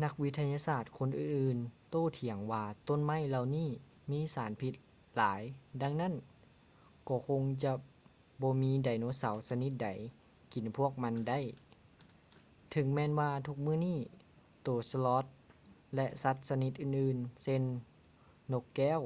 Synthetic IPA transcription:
na˧˥k̚wi˧˥t̪ʰa˧jaː˧saː˧˩t̪̚kʰo˧˥˨nʔɯː˨˩nʔɯː˨˩nt̪oː˧˩˨t̪ʰi˨˩˦əŋwaː˧t̪o˧˥˨nma˧˥˨jla˧wniː˥˩ | miː˧˥˨saː˨˦npʰi˧˦t̪̚ | laː˨˦jda˧ŋna˥˨n | kɔː˧˩kʰo˧ŋt͡ɕa˧ | bɔː˧˦miː˧˥da˨˩jnoː˧˥sa˨˦wsa˧ni˧˦t̪̚da˨˦j | ki˨˩npʰu˥˩ək̚ma˧˥nda˧˥˨j | t̪ʰɯ˨˩˦ŋmɛː˧˨nwaː˧t̪ʰu˧˥k̚mɯː˧˥˨niː˥˩ | t̪oː˨˩slɔː˧˦˥t̪̚lɛ˧ʔsa˧˦˥t̪̚sa˧ni˧˦t̪̚ʔɯː˧˩nʔɯː˧˩nse˧˥nː | o˧˥kːɛː˧˥˩w

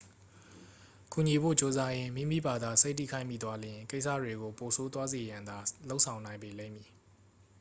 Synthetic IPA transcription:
ku˨ɲi˨bo̰˦˨t͡ɕo˦za˦jɪ̃˦mḭ˦˨mḭ˦˨ba˨d̪a˨se˦ɪtːḭ˦˨kʰã˦ɪ̃mḭ˦˨t̪wa˦lɪ̃˨ŋke˦ɪʔsä̰˦˨dwe˨ɡo˨po˨sʰo˦t̪̬wa˦ze˨jã˨nd̪a˨lo˦ʊʔsʰã˨ʊ̃nã˨ɪ̃mbe˨lḛ̃˦˨mji˨

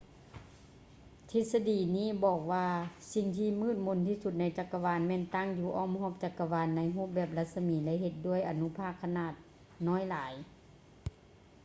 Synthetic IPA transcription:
t̪ʰi˧˩t̪̚sa˧diː˨˩niː˧˥˨bɔː˨˩k̚ʋaː˧si˨˩ŋt̪ʰiː˧mɯː˧˥˩t̪̚mo˧˥˨nt̪ʰiː˧su˧˩t̪̚na˧jt͡ɕa˨˧˩kːa˧waː˧˥nmɛː˧˨nt̪a˧˥˨ŋjuː˧˩ʔɔː˧˥˩mhɔː˧˥˩p̚t͡ɕa˧˩kːa˧waː˧˥nːa˧˥jɦo˧˥˨p̚bɛː˧˩p̚la˧t̪̚sa˧miː˨˦lɛ˧˥˨he˧˦t̪̚du˧˩˨əjʔa˨nu˧pʰaː˧˥˩kʰːa˧naː˧˩t̪̚ | nɔː˧˥˨jlaː˨˦j

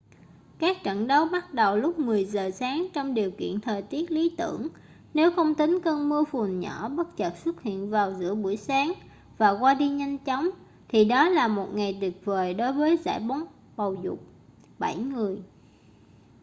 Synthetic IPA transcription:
kaː˦˥k̚t͡ɕə̰˧˥˨nɗə˨˦wɓa˦˥t̚ɗə˨˩wlʊ˦˥k͡p̚mɨ˨˩əjzəː˨˩saː˨˦ŋt͡ɕɔ˧wŋ͡mɗi˨˩əwkḭ˧˨ənt̪ʰəː˨˩jt̪i˦˥ət̚li˨˦t̪ɨ̰˧˩əŋ | ne˨˦wxə˧wŋ͡mt̪ï˨˦ŋ̟kəː˧nmɨ˧əfu˨˩ənɲɔ˧˩˦ɓə˦˥t̚t͡ɕə˨˩t̚swə˦˥t̚hḭ˧˨ənvaː˨˩wzɨ̰˧˥əɓu˧˩əjsaː˨˦ŋ | vaː˨˩kwaː˧ɗi˧ɲa˧jŋ̟t͡ɕɔ˨˦wŋ͡m | t̪ʰi˨˩ɗɔ˨˦laː˨˩mo˨˩t̚ŋa˨˩jt̪wi˨˩ət̚vəː˨˩jɗo˨˦jvəː˨˦jza̰ː˧˥jɓo˨˦n | ɓə˨˩wzʊ̰˨˩k͡p̚ | ɓa˧˩jŋɨ˨˩əj

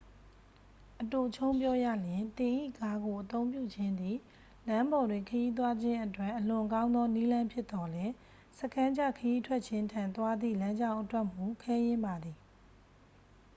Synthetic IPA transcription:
ʔəto˨t͡ɕʰõ˦ʊ̃mpjɔ˦jä̰˦˨ljɪ̃˨nt̪ɪ̃˨ʔḭ˦˨ɡa˦ɡo˨ʔət̪õ˦ʊ̃mpjṵ˦˨d͡ʑɪ̃˦nd̪ḭ˦˨ | lã˦mbɔ˨dwɪ̃˨ŋkʰəji˦t̪̬wa˦d͡ʑɪ̃˦ʔətwɛ˦˨ʔːəlʊ̃˨kã˦ʊ̃nd̪ɔ˦ni˦lã˦mpʰjɪ˦t̪ːɔ˨lɛ˦ | sə˦kʰã˦ɲd͡ʑa˦˨kʰəji˦tʰwɛ˦ʔ̚t͡ɕʰɪ̃˦ntʰã˨nt̪wa˦d̪ðḭ˦˨lã˦ɲd͡ʑã˦ʊ̃ʔətwɛ˦ʔm̥u˦˨kʰɛ˦jɪ̃˦mba˨d̪ði˨

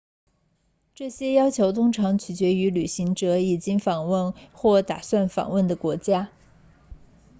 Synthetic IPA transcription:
ʈ͡ʂɤ˥˩ɕjɛ˥jɑ˥ʊt͡ɕʰjo˧˥ʊt̪ʊ˥ŋʈ͡ʂʰɑ˧˥ŋt͡ɕʰy˨˩t͡ɕɥɛ˧˥y˧˥ly˨˩ɕi˧˥ŋʈ͡ʂɤ˧˥i˨˩t͡ɕi˥ŋfɑ˨˩ŋwə˥˧nxwɔ˥˩t̪a̰˨˩swa˥˩nfɑ̰˨˩ŋwə˥˩nd̪ə˩kwɔ˧˥t͡ɕja˥

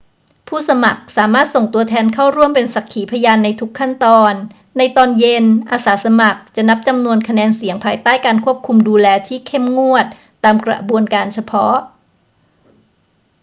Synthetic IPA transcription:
pʰuː˥˩sa˧ma˨˩k̚saː˩˦maː˥˩t̪̚so˨˩ŋt̪u˧ɐt̪ʰɛː˧nkʰa˥˩wɾu˥˩əmpe˧nsa˨˩kʰːiː˩˦pʰa˧jaː˧nːa˧jt̪ʰu˦˥kʰːa˥˩nt̪ɔː˧nː | a˧jt̪ɔː˧nje˧nʔaː˧saː˩˦sa˧ma˨˩k̚t͡ɕa˨˩na˦˥p̚t͡ɕa˧mnu˧ənkʰa˧nɛː˧nsi˨˩˦ŋpʰaː˧jt̪aː˥˩jkaː˧nkʰu˥˩əp̚kʰu˧mduː˧lɛː˧t̪ʰiː˥˩kʰe˥˩mŋu˥˩ət̪̚ːaː˧mkɾa̰˧˩bu˧ənkaː˧nt͡ɕʰa˧pʰɔ˦˥ʔ

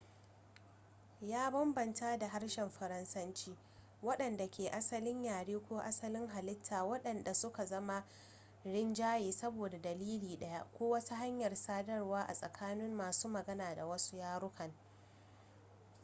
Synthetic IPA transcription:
jaː˦bɐ˦mbɐ˨nta˦da˨ɦa˦ɽʃɛ˨mɸɐ˨ɾɐ˦nsɐ˦nt͡ʃiː˦ | wɐ˦ɗɐ˨nda˨kʲeː˨ʔa˦sɐ˦lɪ˦ɲjaː˨ɽeː˦kʷoː˦ʔa˦sɐ˦lɪ˦ŋɦa˨lɪ˦tʰːaː˨wɐ˦ɗɐ˨nda˨sʊ˦ka˨zɐ˦ma˦ | ɽɪ˦nd͡ʒaː˦jeː˨sɐ˦boː˨da˨dɐ˨liː˦liː˨ɗɐ˦ja˦ʔkʷoː˦wɐ˦ta˦ɦa˦ɲjɐ˨rsaː˦dɐ˦rwaː˦ʔa̰˨sʼɐ˨kʰaː˦nɪ˦mːaː˨suː˦mɐ˨ɡɐ˦naː˨da˨wɐ˦su̥˦jaː˦ɾʊ˦kʰɐ˨ŋ

